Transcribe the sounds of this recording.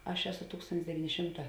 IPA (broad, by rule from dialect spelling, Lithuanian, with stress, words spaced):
ˈɐʃ ˈæːˌsoː ˈtuːkstoːnʲtʲɪs dʲɛˈʋʲiːnʲɪ ˈʃʲɪmˌtɑː